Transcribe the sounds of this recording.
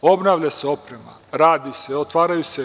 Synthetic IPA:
o̞bnaːʋʎaseo̞pɾema̰ɾaːd̪iseot̪ʋaːɾajuse

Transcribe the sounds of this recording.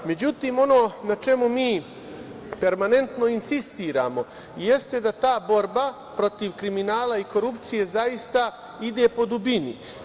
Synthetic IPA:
me̞d͡ʑut̪iːmo̞no̞ːnat͡ʃe̞mumiː | pe̞ɾmane̞nt̪no̞insist̪iːɾa̰ːmo̞ | jest̪e̞d̪at̪aːbo̞ɾba | pɾo̞t̪iʋkɾiminaːlˠaiko̞ɾupt̪sije̞zajist̪a | id̪eːpo̞d̪ubini

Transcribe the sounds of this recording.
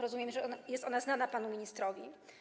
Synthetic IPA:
ɾɔzumʲjɛmʐɛɔajɛst̪ɔnaznanapanumʲiɲist̪ɾɔvʲḭ

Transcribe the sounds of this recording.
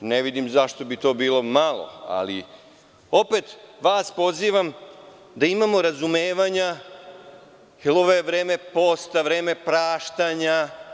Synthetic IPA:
ne̞ʋid̪imzaʃt̪o̞bit̪oːbiːlˠo̞malˠo̰a̰lḭ | o̞pet̪ʋaːspo̞ziːʋam | d̪aimamo̞ɾazumeːʋaɲa | jɛloʋojeʋɾeːme̞po̞ːst̪aʋɾe̞ːme̞pɾaːʃt̪aɲa

